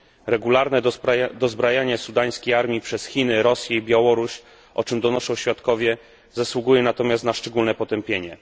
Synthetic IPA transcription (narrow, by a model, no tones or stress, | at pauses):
ɾɛɡulaɾnɛd̪ɔzbɾajaɲɛsud̪aj̃skʲejaɾmʲipʂɛsxʲinɘɾɔsʲjɛibʲjawɔɾuɕ | ʔɔ̰t͡ʂɘmd̪ɔnɔʂɔ̃w̃ɕfʲjat̪kɔvʲjɛ | zaswuɡujɛnat̪ɔmʲast̪naʂt͡ʂɛɡulnɛpɔt̪ɛmpʲjeɲɛ